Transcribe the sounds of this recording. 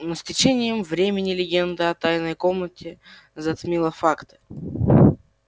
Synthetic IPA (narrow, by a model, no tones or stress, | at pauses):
nosʲtʲɪt͡ɕenʲɪjəmvɾʲemʲɪnʲɪlʲɪɡʲend̪əɐt̪ajnəjkomnətʲɪ | zɐt̪mʲilˠəfakt̪ɨ̥